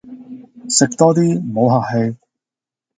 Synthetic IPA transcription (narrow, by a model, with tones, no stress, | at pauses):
sɪ˨k̚t̪ɔː˥t̪̬iː˥m̩˨˩ho˨˧wɦaː˨k̚he˧j